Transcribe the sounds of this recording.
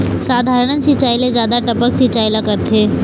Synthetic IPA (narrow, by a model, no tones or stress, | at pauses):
saːd̪ʱaːɾəɳ̃ənsit͡ʃaːjɪlezjaːd̪aʈəpəksit͡ʃaːɪlakəɾt̪ʰeː